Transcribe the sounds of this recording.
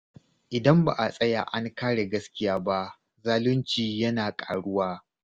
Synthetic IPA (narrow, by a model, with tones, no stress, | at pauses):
ʔɪ˨dɐ˦mba˨ʔa˨sʼɐ˦ja̰ː˨ʔa˦ŋkaː˦ɽe˨ɡɐ˦skʲɪ˦jaː˦ba˦ʔ | zaː˦lʊ˦nt͡ʃiː˨jɐ˦naː˨kʼa̰ː˨ɽʊ˦waː˦